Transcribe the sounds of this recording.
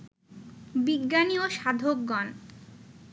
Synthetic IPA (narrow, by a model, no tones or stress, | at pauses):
biɡːanioʃad̪ʱok̚ːɔn